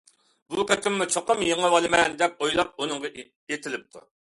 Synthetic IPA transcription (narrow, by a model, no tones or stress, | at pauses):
buqɛt̪ʰɪmːut͡ʃʰoqʊmjeŋəwɑlˠɨmɛnd̪ɛp̚ojlˠɑp̚unɨŋʁɑ | et̪ʰɪlɪp̚t̪ʰṵ